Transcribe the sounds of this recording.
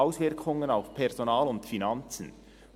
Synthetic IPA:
aʊsvɪʁkʰʊŋənaʊfpʰɛʁzonɑːlʊntfinɑnt͡sn̩

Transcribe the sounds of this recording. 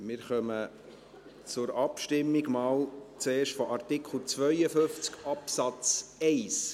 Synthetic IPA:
mɪɾχœmə | t͡sʊɾɑpʃtɪmːiɡmɑːlt͡seːɾʃtfɔʔɑrt̪ɪkχl̩ˠt͡svœjəfʏft͡skɑpsɑt͡sɛɪs

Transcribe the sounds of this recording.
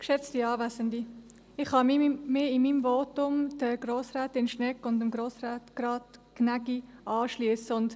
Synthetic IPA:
kʃɛt͡stiɑːvæsəndi | ɪχhɑmimɪɪmiːmvoːtʊmd̥əɡ̥ɾoːsɾaːtɪnʃnɛkʊndɪmɡɾoːsɾaːtɡ̥ɾɑːtknæɡiʔɑːʃliəsəʊnd

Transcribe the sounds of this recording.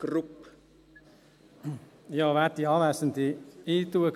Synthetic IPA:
ɡ̥rupː | jɑːʋæt̪ːiɑːʋæːsənt̪iiːt̪uək

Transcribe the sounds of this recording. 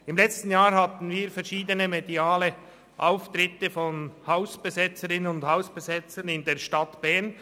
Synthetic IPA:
ɪmlɛt͡stn̩jaːɾɦɑt̪n̩viːɾfɛʁʃiːdənəmediaːlə | ʔaʊft̪ɾɪtəfɔnhaʊsb̥ezɛt͡səɾɪnənʊndhaʊsb̥ɛzɛt͡sənɪndeːɐʃtɑt̪b̥ɛɐn

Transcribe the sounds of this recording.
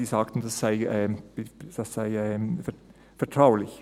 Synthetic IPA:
isɑkt̪n̩sɔsæɪ | sɑsæɪf | fɔʈʰɾɑʊlɪç

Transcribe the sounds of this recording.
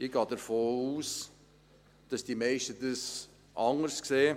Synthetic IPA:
iɡ̥ɑːdəɾfoːuːs | d̥ɑsd̥imeɪʃtədəs | ʔɑŋəɾskseː

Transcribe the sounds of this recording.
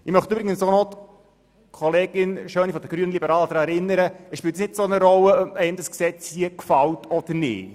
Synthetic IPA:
ɪmœχt̪ybɾɪɡənsonot̪ | kʰɔleːɡɪnʃøːnifɔd̥̪əɡ̥ɾyənəlibəɾɑːldɾɛɾɪnːəɾəəsʃpɪːlt̪nɪtsonəɾɔləœpɛɪmd̥ɑsksɛt͡shiəkfɑltɔd̥əɾnɪ̰ː

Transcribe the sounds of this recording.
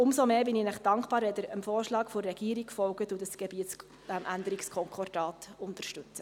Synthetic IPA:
ʊmsomeːbɪnɪnæχd̥ɑŋkχb̥ɑːɾʋɛdəɾəmfoːɾʃlɑːkfʊɾːɛɡ̥iːəɾikfɔlɡətudəsɡ̥ɛbiːətt͡s | mʔænd̪əɾɪkskʰɔŋkɔrd̥ɑːtʊntəʃtʉt͡sə

